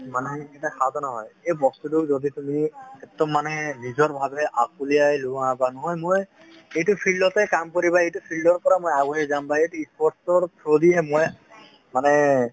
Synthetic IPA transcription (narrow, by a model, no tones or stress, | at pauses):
manɛɛtakʰad̪ɔnaɦɔjejbɔst̪utukzod̪itumikɛtːɔmːanɛbizɔɹbʱabʱɛʔakulijajluãbanɔɦɔjmoj | ejtupʰilɖɔtɛkamkoɾibaejtupʰilɖɔɹpɔɹamojaɡɔɦɛzambaejtuispɔɹstɔpʰɹod̪iɛmoj | manɛ